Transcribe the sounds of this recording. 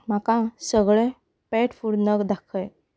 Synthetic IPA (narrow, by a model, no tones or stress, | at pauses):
makãsəɡɭẽ | pɛʈfuɽnəɡd̪akʰəj